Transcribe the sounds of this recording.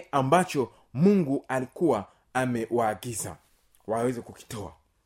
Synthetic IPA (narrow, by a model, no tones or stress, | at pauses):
ʔambat͡ʃɔ | muŋɡualikuwaː | mɛwaːɡiza̰ | wawɛzɛkuki̥tɔa̰